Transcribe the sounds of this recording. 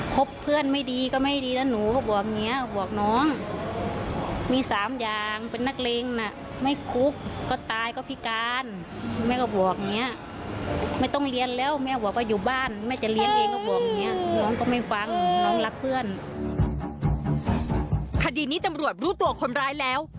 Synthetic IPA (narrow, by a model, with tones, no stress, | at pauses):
kʰo˦˥pʰːɯ˥˩ənma˥˩˨jdiː˧kɔ˧˩ma˥˩jdiː˧na˧˩nuː˨˦kɔ˧˩bɔː˨˩k̚ŋi˧˦˥ə˧bɔ˨˩ək̚nɔː˧˦˥ŋ | miː˧˥˩saː˨˦mjaː˨˩ŋpe˧˨nːa˧˥˩k̚leː˧ŋna˧˩ʔ | ma˥˩jkʰu˦˥k̚ːɔː˧˩t̪aː˨˧jkɔː˧˩pʰi˧˥kaː˧n | mɛː˧˥kɔː˧˩bɔ˨˩ək̚ŋi˧˦˥ə˨ʔ | ma˥˩˨jt̪ɔ˥˩ŋli˧ənlɛː˦˥˩wmɛː˧˥˩bɔː˨˩k̚ka˧˩juː˨˩baː˧˥˩nmɛː˧˥˩t͡ɕa˨˩li˧˥ə˨nleː˧ŋkɔ˧˩bɔː˨˩k̚ŋi˧˦˥ɐəʔnɔː˧˥ŋkɔː˧˩ma˧˩jka˧˥ŋnɔː˧˦˥ŋla˧˥k̚pʰɯ˥˩ən | kʰa˧diː˨˧niː˦˥t̪a˧mɾu˨˩ət̪̚ɾuː˦˥t̪u˧ɐkʰo˧nɾaː˧˥jlɛː˦˥w